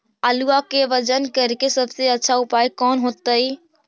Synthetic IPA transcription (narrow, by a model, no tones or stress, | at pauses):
aluakeʋəd͡ʒənkəɾkesəbseətːʃʰaupajkɔnɦot̪əj